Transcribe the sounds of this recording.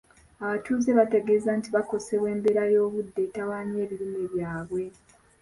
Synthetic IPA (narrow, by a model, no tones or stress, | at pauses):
aβatʰuːzeβate̞ɡe̞ːzaːntiβako̞se̞βwe̞ːmbe̞ɾajo̞ːβudːe̞tawaːɲe̞ːβiɾimeβjaːβwe̞